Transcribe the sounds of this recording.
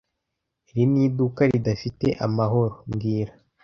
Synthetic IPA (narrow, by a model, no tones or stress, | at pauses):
iɾiniːdukaɾidafite̞̰ʔamaɦo̞ɾomɡiːɾa